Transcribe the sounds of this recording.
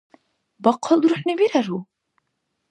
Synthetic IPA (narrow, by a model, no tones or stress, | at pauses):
bɑqːɑlˠd̪ɾŭħnɘbiɾæɾu